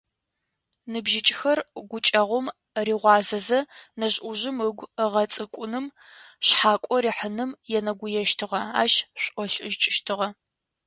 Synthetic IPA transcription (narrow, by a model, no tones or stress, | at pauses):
nɨbʒɪt͡ʃʼxɐrɡʷʊt͡ʃʼɐʁʷʊm | riːʁʷɑːzɐzɐnɐɕʼʔʊʑɪməɡʷəʁɐt͡sʼɨkʷʼʊnɨm | ɕħaːkʷʼɔriːħənɨmjɛnɐɡʷʊjɛʃtʰɨʁɐa̰ːʃɕʷʼʔʷɔɬʼɨʒt͡ʃʼɪʃtʰɨʁɐ